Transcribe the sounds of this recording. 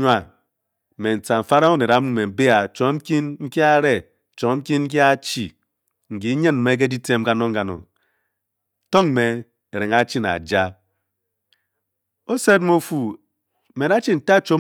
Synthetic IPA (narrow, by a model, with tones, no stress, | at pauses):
a˦˨ | me˨n̩˨t͡sa˨m̩˨fa˦ɾa˦o˦ne˨ɾa˦mu˦me˨m̩˨be˦a˨t͡ʃo˨˦m̩˦ki˦nŋ̩˦ki˦a˦ɾe˦˨ | t͡ʃo˨ŋ˦m̩˦ki˦nŋ̩˦k̬i˦a˦t͡ʃi˨ | ŋ̩˨ɡi˨˦ɲe˦nm̩˨me˦k̬e˦di˦te˦m̩˦ɡa˦no˦ŋ̩˦ɡa˨no̰˨ | to˦ŋm˦me˨ | e˨ɾe˨ŋa˦t͡ʃi˦na̰˨d͡ʒa˦ | o˦se˦tmo˦fu˨ | me˨ɾa˦t͡ʃi˦n̩˨ta˦˨˦t͡ʃo˦